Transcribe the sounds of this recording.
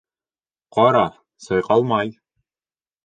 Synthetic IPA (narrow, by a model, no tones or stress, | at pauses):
qɑɾɑ | sɤjqɑlˠmɑj